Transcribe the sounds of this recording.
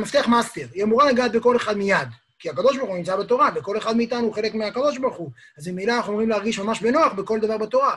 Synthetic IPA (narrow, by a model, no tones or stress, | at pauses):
maft̪eaχmast̪eʁjemuʁalaɡat̪beko̞leχad̪mijad̪ | kiakad̪o̞ʃbaʁχunimt͡sabet̪o̞ʁaveko̞le̞χad̪miːt̪anuuχe̞le̞kmeakad̪o̞ʃbaʁχu | azmimilanaχnuomʁimlehaʁɡiʃmamaʃbe̞no̞aχbeko̞ld̪avaʁbat̪o̞ʁa